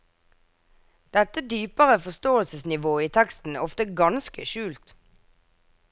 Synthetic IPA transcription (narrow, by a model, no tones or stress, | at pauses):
d̪̥ɛt̪əd̪yːpəʁəfɔst̪oːəlsəsnɪʋoːiːt̪ʰɛkst̪n̩æɔft̪əɡɑnskəʃʉːlt̪